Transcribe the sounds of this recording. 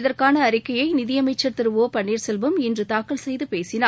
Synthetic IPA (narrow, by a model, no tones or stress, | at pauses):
ɪðɐrkaːnɐːɾɪkːɐjɐɪnɪðɪjɐmɐɪt͡ʃːɐɾt̪ɪɾɯʋoːpɐɳːiːɾsɛlʋɯmɛndrɯt̪aːkːɐɭsɛjðɯpeːsɪnaː